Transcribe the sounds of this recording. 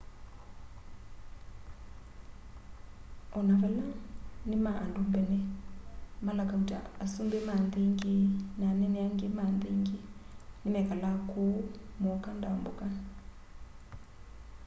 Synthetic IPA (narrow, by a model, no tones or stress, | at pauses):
ɔnaβalanimaʔandumbɛnɛ | malakauta̰asumbemand̪iŋɡenanɛnɛaŋɡemand̪iŋɡenimɛkalakomɔkandaɔmbuka